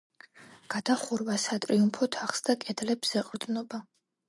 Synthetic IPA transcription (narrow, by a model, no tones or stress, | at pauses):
ɡ̥ad̪aχuɾvasat̪ʼɾiumpʰɔt̪ʰaχsd̪akʼɛd̪lɛbz̥ɛqʼɾd̪nɔba